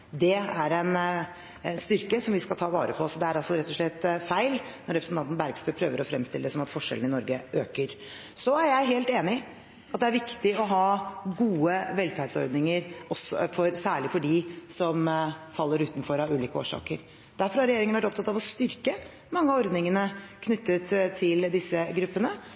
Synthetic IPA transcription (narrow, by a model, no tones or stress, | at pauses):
d̪ɛæɾɛn | st̪ʏɾkəsɔmʋɪskɑlt̪ʰɑːʋɑ̰ːɾəpʰɔsɔd̪ɛæɾɑlsɔɾɛt̪ːɔʂɭɛt̪ːfæɪlnɔɾɛpɾəsn̩ʰɑnt̪nbæɾɡst̪œʏpʰɾøːʋəɾɔfɾɛmst̪ɪləd̪ɛsɔmɑt̪fɔʂɛln̩ɪnɔɾɡəʔøːkəɾ | sɔæɾjæɪɦeːlt̪eːnɪ | ɑt̪̚d̪ɛæɾʋɪkt̪ɪɔɦɑːɡuːəʋɛlfæɪd̪sɔ̰ɾd̪nɪŋəɾɔsɔ̰fɔɾsæːɭɪfɔɖɪsɔmfɑlːəɾʉːt̪nfɔɾɑʉːliːkəo̰ːʂɑ̰ːkəɾ | d̪æɾfɔɾhɑɾɛjeːɾɪŋəʋæʈtɔp̚t̪ʰɑt̪ːɑʋɔst̪ʏɾkə | mɑŋːəɑɔɾd̪nɪŋənəkʰnʏt̪ʰːət̪t̪ʰːɪld̪ɪsːəɡɾʉpːənə